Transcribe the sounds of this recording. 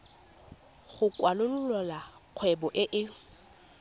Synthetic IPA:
χʊkwalʊlʊlɔlaq͡χʰwɛbɔʔɪʔɪ

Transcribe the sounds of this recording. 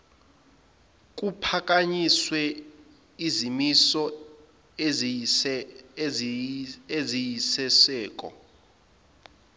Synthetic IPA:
k̬ʼupʰak̬ʼaɲiswɛ | izimisɔ | ezijisɛsɛːk̬ʼɔ̰

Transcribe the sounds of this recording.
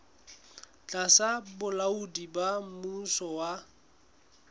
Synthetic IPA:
t͡ɬʼasabʊlaudibamusɔwa

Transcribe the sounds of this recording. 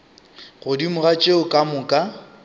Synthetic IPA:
ɣʊdimʊɣat͡ʃʼeʊkʼamʊkʼa

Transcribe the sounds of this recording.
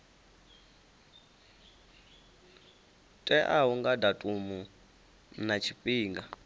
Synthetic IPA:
tʼɛʔauŋɡadatʼumu | nat͡ʃʰipʼiːŋɡa

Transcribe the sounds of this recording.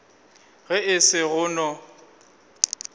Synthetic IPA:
ɣɛɪsɪɣʊːnɔ

